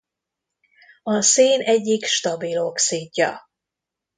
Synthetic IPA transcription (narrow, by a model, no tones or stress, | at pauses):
ɒseːnɛɟːikʃt̪ɒbilo̞ksiːɟːɒ̰